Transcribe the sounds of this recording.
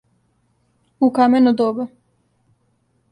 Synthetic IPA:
ukamenud̪oba

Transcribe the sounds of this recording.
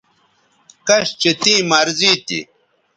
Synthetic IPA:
kɐɕt͡ɕet̪ĩːmaɾziːt̪ḭ

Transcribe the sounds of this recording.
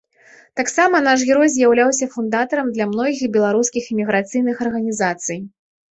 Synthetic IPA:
t̪aksamɐnaʂ̬ɣʲɛɾɔjzʲjawlʲawsʲɐfund̪at̪ɐɾɐmd̪lʲɐmnɔɣʲiixbʲɛlˠaɾuskʲiximʲiɣɾat̪sɨjn̪ɨxɐrɣɐnʲizat̪sɨj

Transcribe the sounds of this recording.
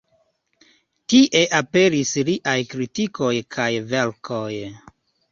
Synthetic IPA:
tiʔe̞ʔape̞ɾisɾiʔajkɾitikʰo̞jkʰajve̞lkʰoj

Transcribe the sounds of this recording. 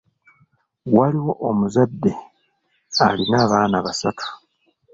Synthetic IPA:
waliwo̞ʔomuzadːe̞ | a̰linaːβaːnaβasatʰḁ

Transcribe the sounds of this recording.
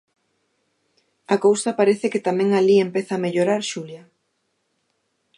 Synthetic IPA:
akowsapaɾeθɪkɪt̪amɛ̃ŋaliempeθaːmeʎoɾaɾʃuljɐ

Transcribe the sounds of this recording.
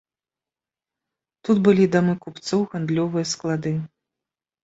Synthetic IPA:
t̪ud̪bɨlʲid̪amɨkupt̪sɔwɣand̪lʲɔvɨjɐsklˠad̪ɨ

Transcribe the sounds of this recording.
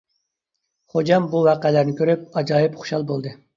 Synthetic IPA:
χod͡ʒɑmbuwɑːqɛlæɾnɪkʲʰøɾyp̚ɑd͡ʒɑːjipχu̥ʃɑlˠbolˠd̪ɨ

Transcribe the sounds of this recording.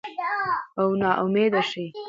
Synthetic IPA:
awnɑʔʊmed̪aʃi

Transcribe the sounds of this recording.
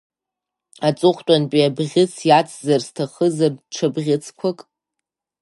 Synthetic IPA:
at͡sʼʊχʷtʷʼanpʼiabʁʲɪt͡sʰjat͡sʰzarstʰaχəzarʈ͡ʂʰabʁʲɪt͡sʰkʷʰakʼ

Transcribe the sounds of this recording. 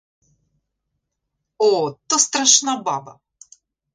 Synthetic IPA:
ot̪ɔst̪ɾaʃnabɑbɐ̰

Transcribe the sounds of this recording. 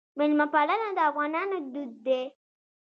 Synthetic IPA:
mɪlmapalanad̪əafɣɑnɑnod̪ud̪̚ːe

